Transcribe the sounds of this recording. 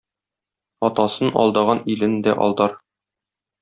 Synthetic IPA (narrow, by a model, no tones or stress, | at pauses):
ɒt̪ɑsɤnɒ̰lˠd̪ɑʁɑnilɘnd̪æʔɒ̰lˠd̪ɑɾ